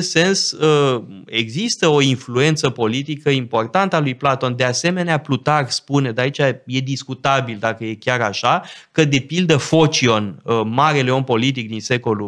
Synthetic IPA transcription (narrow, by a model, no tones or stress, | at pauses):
st̪se̞nsəe̞ɡzist̪əo̞influe̞nt̪səpo̞lit̪̬ikəimpo̞rt̪ant̪əalujplat̪o̞nd̪ease̞me̞neaplut̪arspune̞d̪eait͡ʃaje̞d̪iskut̪abild̪akəje̞kʲaɾaʃakəd̪e̞pild̪əfo̞t͡ʃio̞nmaɾe̞le̞o̞npo̞lit̪̬ik̚d̪inse̞ko̞lu